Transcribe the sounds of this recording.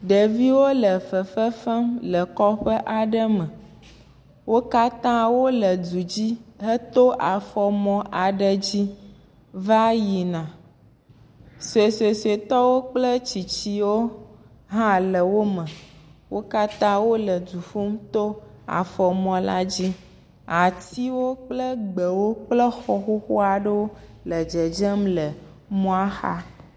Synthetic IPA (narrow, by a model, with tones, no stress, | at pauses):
ɖə˨vi˦wo˦lə˨fə˨fə˦fə˦mlə˨kɔ˦ɸə˦ʔa˨ɖə˦mə˨ | wo˦ka˦t̪ã˦wo˦lə˨d͡ʒu˨d͡ʑi˦ɦə˦t̪o˦ʔa˨fɔ˨mɔ̃˦ʔa˨ɖə˨d͡ʑi˦ | va˦ji˨nã˨ | so˨e˨se˨se˨t̪ɔ˦wo˦k͡plə˦t͡ɕi˨t͡ɕi˦wo˦ | ɦã˦lə˨wo˦mə̃˨wo˦ka˦t̪ã˦wo˦lə˨d͡ʒu˨fu˦mt̪o˦ | a̰˨fɔ˨mɔ̃˨la̰˦d͡ʑi˦ | a˨t̪i˦wo˦k͡plə˦ɡ͡bə˨wo˦k͡plə˦xɔ˦xo˦xo˦a˨ɖə˦wo˦lə˨d͡ʒə˨d͡ʒə˦mlə˨ | mɔ̃˦a˦xa̰˦